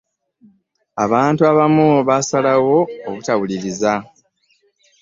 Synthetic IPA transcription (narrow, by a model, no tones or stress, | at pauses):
a̰βaːntuaβamuβasalawo̞ːβutawuliɾiza